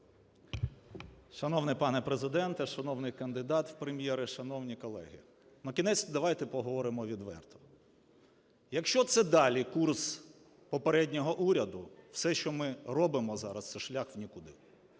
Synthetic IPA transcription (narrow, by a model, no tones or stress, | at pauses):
ʃɐnɔwnɪpɑnɛpɾezɪd̪ɛnt̪ɛʃɐnɔwnɪjkɐnd̪ɪd̪ɑt̪wpɾemʲjɛɾɪʃɐnɔwnʲikɔlˠɛ̰ɦɪ̰ | nɐkʲinɛt͡sʲd̪ɐʋɑjt̪ɛpɔɦɔʋɔɾɪmɔʋʲid̪ʋɛ̰rt̪ɔ̥ | jɐkʃt͡ʃɔt̪sɛd̪ɑlʲikurs | pɔpeɾɛdʲnʲɔɦɔʔuɾʲɐd̪ʊw̥sɛʃt͡ʃɔmɪrɔbɪmɔzɑɾɐst̪sɛʃlʲaxwnʲikʊd̪ɪ